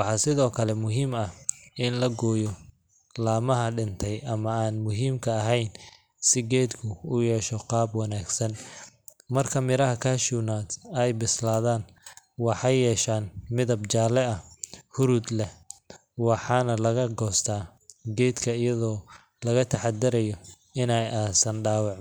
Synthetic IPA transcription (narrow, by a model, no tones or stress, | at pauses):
wɑħɑːsɪðɔːkʰɐlɛmʊɦiːmɐɪnlɐɡɔːjɔ | laːmɐɦɐɖɪnt̪ʰɛjʔɐmɐaːnmʊɦiːmkʰɐːɦɛjn | sɪɡɛːd̪kʰʊʊjɛːʃɔqɑːbwɑnaːɡsɐn | mɐrkʰɐmɪɾɐɦɐkʰaːʃuːnaːd̪ɐjbɪslaːðaːn | wɑħɑjːɛːʃaːnmɪðɐbt͡ʃaːlɛɐhʊɾuːd̪lɛ | wɑħɑːnɐlɐɣɐɡɔːst̪ʰaː | ɡɛːd̪kʰɐɪjɐðɔː | lɐɣɐt̪ʰɐħɑd̪ɐɾɐjɔ | ɪnɛjʔaːsɐnɖaːwɑʕ